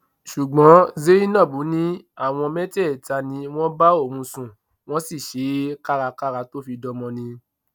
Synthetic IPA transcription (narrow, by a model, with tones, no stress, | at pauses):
ʃu˨ɡ͡bɔ̃˨˦ze˦i˦nã˦˨bu˨˦nĩ˦ | a˦˨w̃ɔ̃˧mɛ̃˦tɛ˦˨ta˧nĩ˧w̃ɔ̃˦ba˦o˦˨mũ˧sũ˨ | w̃ɔ̃˦si˦˨ʃe˨˦ka˦ɾa˧ka˦ɾa˧to˦fi˧dɔ˧mɔ̃˧nĩ˧